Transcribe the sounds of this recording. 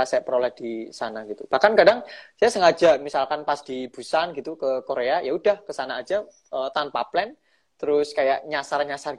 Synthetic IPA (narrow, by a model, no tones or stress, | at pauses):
asajapəɾolɛhd̥isanaɡ̥it̪ub̥ahkankadaŋsajasəŋad͡ʒaʔmisalkanpasd̥ib̥ṳsanɡit̪ukəkoɾeajaudahkəsanaːd͡ʒa | ət̪anpaplɛn | t̪əɾʊskajaʔɲasarɲasar